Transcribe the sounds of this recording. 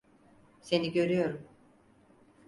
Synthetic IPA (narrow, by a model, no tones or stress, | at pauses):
se̞niɟø̞ɾyjo̞ɾum